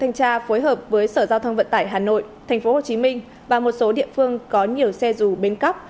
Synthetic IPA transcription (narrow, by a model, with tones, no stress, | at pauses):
t̪ʰa˧jŋ̟t͡ɕaː˧fo˨˦jɦəː˨˩p̚vəː˨˦jsəː˧˩zaː˧wt̪ʰə˧ŋ͡mvə̰˧˨nt̪aː˧˩jɦaː˨˩no̰˧˨jt̪ʰɛ˨˩ŋ̟fo˨˦ho˨˩t͡ɕi˨˦mï˧ŋ̟ | vaː˨˩mo˨˩t̚so˨˦ɗḭ˧˨əfɨ˧əŋkɔ˨˦ɲi˨˩əwsɛ˧zu˨˩ɓe˧nkə˦˥p̚